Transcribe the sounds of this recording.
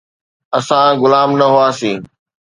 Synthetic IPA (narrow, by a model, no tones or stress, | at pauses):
ɐsãɡʊlaːmnɐɦʊaːsiː